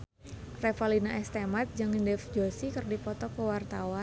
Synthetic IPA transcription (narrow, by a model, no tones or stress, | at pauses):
refalinaʔɛst̪emat̪̚d͡ʒɨŋindɛfd͡ʒosikərdipɔt̪ɔkəwart̪awan